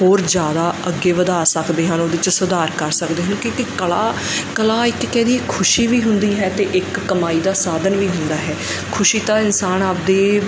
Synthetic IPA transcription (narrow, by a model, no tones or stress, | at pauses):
ɦoːɾd͡ʒjaːd̪aːəɡːeːʋəd̪aːsəkd̪eːɦənoːd̪eɪt͡ʃsəd̪aːɾkəɾsəkd̪eːɦənkĩːkɪkəlaː | kəlaːɪkːɛ̃ːd̪iːɛːkʰːʊʃiːʋiːɦʊnd̪iːɦɛːt̪eːʔɪkːəmaːiːd̪aːsaːd̪ənʋiːɦʊnd̪aːɦɛː | kʰʊʃiːt̪aːɪnsaːnaːp̚d̪eː